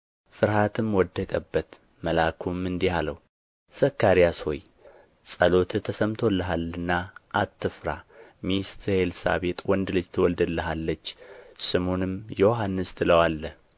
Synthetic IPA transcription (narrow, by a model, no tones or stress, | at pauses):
fɨɾhat̪ʰɨmwɔd̪ːəkʼəbːət̪ | məlakʰumːɨnd̪ihalə̰w | səkːaɾijasho̞̰j | sʼəlo̞t̪ʰɨt̪ʰːəsəmt̪ʰo̞lːəɦalːɨnːaʔat̪ːɨfɾa̰mist̪ʰhelsa̰βe̞t̪ʼwɔnd̪ɨlɨd͡ʒt̪ʰəwɔld̪əlːəɦalːət͡ʃːsɨmonɨmjɛwoɦanːɨst̪ʰɨləwalːəh